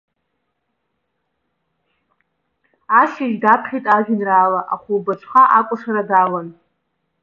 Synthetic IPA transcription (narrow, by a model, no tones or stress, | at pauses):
aʃaʒdapʰχʲijtʼaʒᶣʏnraːlaʔa̰χʷulbat͡ʃʷʰχaʔakʷʼʊʂaɾadalan